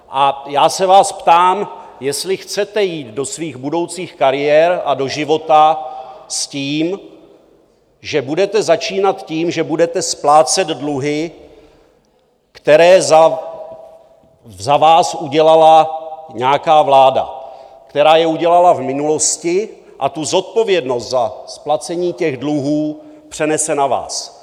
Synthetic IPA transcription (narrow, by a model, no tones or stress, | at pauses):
ʔajaːsɛvaːspt̪aːmjɛst̪lɪxt͡sɛt̪ɛjiːd̪do̞sviːɣbudo̞wt͡siːxkaɾɪjɛɾʔado̞ʒɪvo̞t̪asciːm | ʒɛbudɛt̪ɛzat͡ʃiːnat̪ciːmʒɛbudɛt̪ɛsplaːt͡sɛd̪dluɦɪ | kt̪ɛɾɛːz | zavaːsuɟɛlalaɲɛakaːvlaːda̰ | kt̪ɛɾaːjɛuɟɛlalavmɪnulo̞scɪ | ʔat̪uzo̞t̪̚po̞vjɛdno̞st̪zasplat͡sɛɲiːcɛɣdluɦuː | pr̝̥ɛnɛsɛnava̰ːs